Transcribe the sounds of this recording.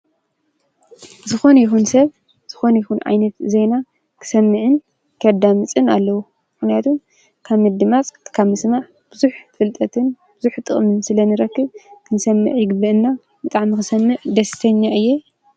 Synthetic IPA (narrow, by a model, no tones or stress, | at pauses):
zɨxo̞njɪxunsɐβ | z̥ɨxo̞nɐjɪxunʕa̰jnɐt̪zejna | kʰɨ̥sɐmːɨʕɨn | kʰɐd̪amɨt͡sʼɨnalːɐwu | mmɨxnijat̪ʰum | kʰaβmɐd̪ɨmat͡sʼkʰaβmɨsmaʕ | b̥ɨzuħfʼɨlt̪ʼɐt̪ʰɨn | bɨzuħt̪ʼɨχʼmɨnsɨlɐnɨɾɐkːɨβkʰɨnsɐmːɨ̰ʕjɪɡɨbɨʔɨnːa | bɨt̪ʼaʕmixɨsɐmːɨʕd̪ɐsɨ̥t̪ʰɐɲːaʔɨjːe